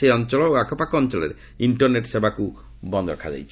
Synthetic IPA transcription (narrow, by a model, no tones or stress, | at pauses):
ejɔnt͡ʃɔlɔoakʰɔpakɔnt͡ʃɔlḛɾe | iɳʈɔɾneʈsebaku | bɔnd̪ɔɾɔkʰad͡ʒa̰jt͡ʃʰ